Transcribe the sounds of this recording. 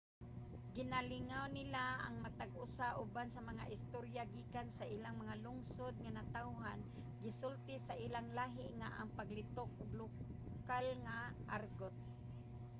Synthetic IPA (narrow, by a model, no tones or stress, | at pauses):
ɡɪnalɪŋawnɪlaa̰ŋmat̪aɡʊsaʔʊbansamaŋa̰ʔɪst̪oɾjaɡiːkansaʔiːlaŋmaŋalʊŋsʊd̪̚ŋanat̪awɦan | ɡɪsʊlt̪ɪsaʔiːlaŋlaːɦɪʔŋaʔa̰ŋpaɡlɪt̪ok̚lʊ | kalŋaʔaɾɡot̪̚